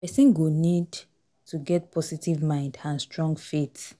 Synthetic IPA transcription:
pɛsĩnɡunid | tʰuɡɛt̚pʰɔsitivmãɪ̃ndãnstɹɔ̃ŋɡfit

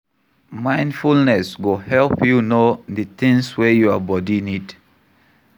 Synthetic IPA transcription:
mãɪ̃ndfulnɛsɡohɛlpjunoðətɪ̃ŋswɛjuabɔdinid

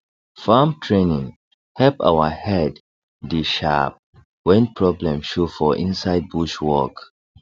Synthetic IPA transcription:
famtʰɹẽnĩŋ | hɛlpa̰wahɛdː | iʃa̰p̚ | wɛ̃npʰɹɔblɛ̃mʃofɔʔḭ̃nsaɪd̚buʃwɔk

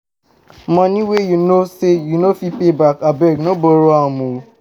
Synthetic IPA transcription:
mɔ̃nĩwejunosejunofipebakabɛɡnoboɾoãmou

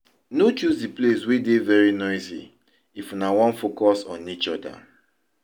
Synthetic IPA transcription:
not͡ʃuzdipleswedevɛɹinɔɪsḭ | ifunawɔ̃nfokɔsɔ̰̃nit͡ʃɔda̰

